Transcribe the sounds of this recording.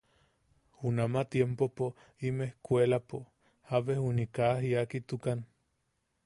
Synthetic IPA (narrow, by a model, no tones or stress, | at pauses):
unamat̪jempopo | imehkʷelapo | haβehunikaɦiakit̪ukan